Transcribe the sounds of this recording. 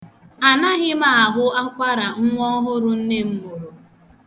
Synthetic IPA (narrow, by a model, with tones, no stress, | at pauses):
a˨na˦ɣɪ˦ma˨a˨ɦʊ˦a˦kʷa˦ɾa˨ŋ̩˦ŋʷɔ˦ɦʊ˦ɾʊ˦n̩˦ne˦m̩˦mo˨ɾo˨